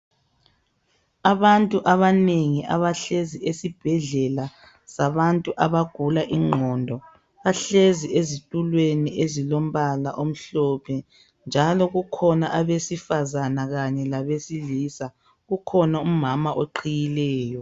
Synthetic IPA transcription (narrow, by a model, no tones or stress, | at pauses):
aβantʼuʔaβaneŋiʔa̰βaɬeziesib̥ʱɛɮɛla | saβantʼuʔaβaɡ̥ʱulaʔiŋ͡ǃʱɔndʱɔ | βaɬeziezitʼulweniʔezilom̩βala̰ʔom̩ɬɔpʰɛ | nd͡ʒʱalɔɣukʰɔnaʔaβesifazanaɣaɲɛlaβesiliːsa | ɣukʰɔnaumamaʔoǃʰijilɛːjɔ